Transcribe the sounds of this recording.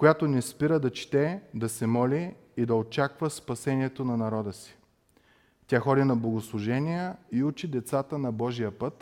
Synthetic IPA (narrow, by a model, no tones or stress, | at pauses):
kojat̪onɛspiɾəd̪ɐt͡ʃt̪ɛd̪ɐsɛmɔlʲiː | d̪ɐot͡ʃakvəspɐsɛnʲiɛt̪onɐnɐɾɔd̪əsi̥ | t̪ʲaxɔd̪ʲinɐblˠoɡoslˠʊʒɛnijəiut͡ʃid̪ɛt̪sat̪ənɐbɔʒijəpət̪